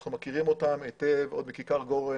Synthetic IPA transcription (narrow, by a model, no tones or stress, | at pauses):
χnumakiʁimo̞t̪ametevo̞d̪mikikaʁɡo̞ʁe